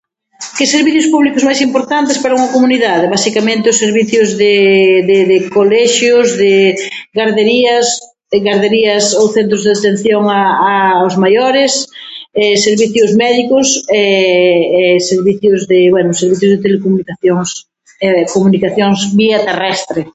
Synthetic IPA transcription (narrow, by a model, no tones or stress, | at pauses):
kɪseɾβiθjʊspuβlikʊzmajsimpoɾt̪ant̪ɪspaɾɐuŋɐkomuniðaðɪβasikamẽnt̪ɪʊseɾβiθjʊzðɪðɪðɪkolɛʃjʊzðɪ | ɡaɾðeɾiɐs | ɣaɾðeɾiɐsowθɛnt̪ɾʊzðeat̪ẽn̟θjoŋaːʊzmajoɾɪsɛseɾβiθjʊzmɛðikʊsɛ | ɛseɾβiθjʊzðɪβwɛnʊseɾβiθjʊzðet̪elekomunikaθjoŋs | ɛkomunikaθjoŋsbiat̪erɛst̪ɾe